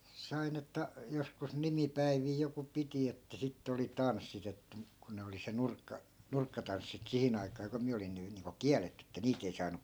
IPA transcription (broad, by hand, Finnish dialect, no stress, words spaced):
sɑin etːæ joskus nimipæiʋiː joku piti etːæ sitːĕ oli tɑnsːit etːæ muk ku ne oli se nurkːɑ nurkːɑtɑnsːit sihin ɑikɑː ku miæ olin̆ ny niːŋko kiæletːy etːæ niːt ei sɑːnu